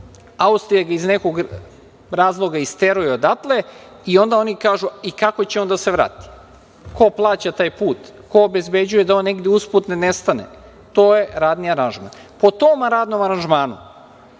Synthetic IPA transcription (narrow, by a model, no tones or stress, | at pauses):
aust̪ɾijaɡaizneko̞ɡ | ɾaːzlˠo̞ɡaist̪e̞ɾujeod̪at̪le | io̞nd̪ao̞nikaːʒuikako̞t͡ɕeo̞nd̪ase̞ʋɾa̰ːt̪i̥ | ko̞plˠaːt͡ɕat̪aːjpuːt̪ | ko̞ːbe̞zbe̞d͡ʑuje̞d̪ao̞nːeɡd̪jeusput̪nenest̪anḛ | t̪oːje̞ɾaːd̪niaɾanʒma̰n | po̞t̪omaɾaːd̪nomaɾanʒmaːnṵ